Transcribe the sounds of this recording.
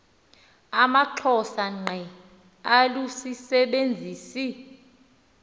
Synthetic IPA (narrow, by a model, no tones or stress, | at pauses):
amaǁʰɔsaŋ͡ǃʱɛ | alusisɛɓend͡zʱiːsi